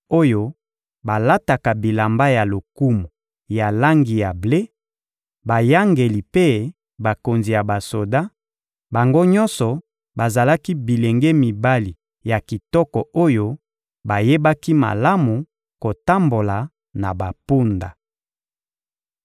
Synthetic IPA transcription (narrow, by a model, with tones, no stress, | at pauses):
o˦jo˦ | ba˨la˦ta˨ka˨bi˨la˨mba˦ja˨lo˨ku˦mu˨ | ja˨la˦ŋɡi˨ja˨ble˦ | ba˨ja˦ŋɡe˨li˨pe˦ | ba˨ko˨nzi˨ja˨ba˨so˨da˦ | ba˨ŋɡo˦ɲɔ˦nsɔ˨ | ba˨za˨la˦ki˦bi˨le˨ŋɡe˦mi˨ba˦li˨ | ja˨ki˨tɔ˦kɔ˨o˦jo˦ | ba˨je˦ba˦ki˦ma̰˨la˦mu˨ | ko˨ta˦mbo˨la˨ | na˨ba˨pu˦nda̰˨